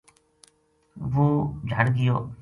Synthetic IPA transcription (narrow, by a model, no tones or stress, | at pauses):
ʋuːd͡ʒʱəɽɡɪjo̰ː